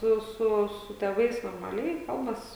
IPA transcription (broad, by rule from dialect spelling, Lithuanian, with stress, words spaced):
ˈsʊ ˈsʊ sʊ tʲeːˈʋɐɪs noːrmɐˈlʲɛɪ ˈkɐlˠbɐs